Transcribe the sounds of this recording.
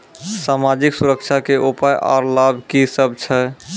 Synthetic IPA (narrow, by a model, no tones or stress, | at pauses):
samad͡ʒiksuɾəkt͡ʃʰakeʔupajʔa̰ɾlabʱkisəb̚t͡ʃʰɛ